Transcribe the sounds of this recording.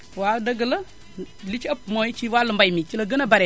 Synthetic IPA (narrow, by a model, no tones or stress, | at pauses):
wadəɡələ | lit͡ʃapmojit͡ʃiwaləmbajmit͡ʃiləɡənabaɾe